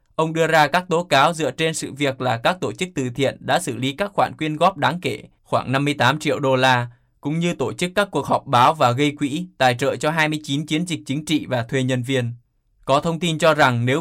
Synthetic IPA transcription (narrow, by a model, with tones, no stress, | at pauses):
ʔə˧wŋ͡mɗɨ˧əzaː˧kaː˦˥k̚t̪o˨˦kaː˨˦wzɨ̰˧˨ət͡ɕe˧nsɨ̰˧˨vi˨˩ək̚laː˨˩kaː˦˥k̚t̪o˧˩t͡ɕɨ˦˥k̚t̪ɨ˨˩t̪ʰḭ˧˨ənɗa̰ː˧˥sɨ̰˧˩li˨˦kaː˦˥k̚xwaː˧˩nkwi˧ənɣɔ˦˥p̚ɗaː˨˦ŋke˧˩ | xwaː˧˩ŋna˧mːɨ˧əjt̪aː˨˦mt͡ɕḭ˧˨əwɗo˧laː˧ | kʊ̰˧˥ŋ͡mɲɨ˧t̪o˧˩t͡ɕɨ˦˥kːaː˦˥kːu˨˩ək̚hɔ˨˩wk͡p̚ɓaː˨˦wvaː˨˩ɣə˧jkwḭ˧˥t̪a̰ː˨˩jt͡ɕə̰ː˧˨t͡ɕɔ˧ɦaː˧jmɨ˧əjt͡ɕi˨˦nt͡ɕi˨˦ənzï˨˩k̟̚t͡ɕï˨˦ŋ̟t͡ɕḭ˧˨vaː˨˩t̪ʰwe˧ɲə˧nvi˧ən | kɔ˨˦t̪ʰə˧wŋ͡mt̪i˧nt͡ɕɔ˧za˨˩ŋne˨˦w